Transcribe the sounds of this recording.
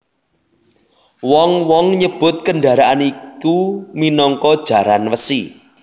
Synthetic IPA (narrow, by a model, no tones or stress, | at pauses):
wɔŋwɔŋɲəb̥ʊ̤t̪̚kəɳɖaɾaʔanikuminɔŋkɔd̥ʒ̥ä̤ɾanwəsi